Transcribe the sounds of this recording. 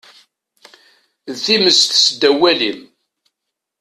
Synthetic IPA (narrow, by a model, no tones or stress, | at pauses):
ðθiməst̪sd̪æwælim